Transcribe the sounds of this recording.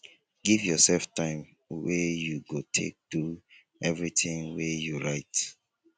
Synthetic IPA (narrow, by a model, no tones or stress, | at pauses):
ɡ̥ivjɔsɛlftãɪ̃m | wejuɡotʰḛk̚d̥u | ɛvɹitĩŋwejuɹaɪt